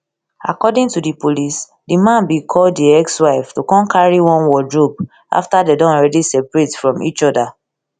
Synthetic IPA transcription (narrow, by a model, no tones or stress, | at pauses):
a̰kɔdĩŋtudipolis | dimãnbikʰɔlddiɛkswaɪftukɔ̃nkʰaɹiwɔ̃nwɔdɹop̚ | ʔa̰ftadedɔ̃ɔɹɛdisɛpɹetfɹɔ̃mḭt͡ʃɔda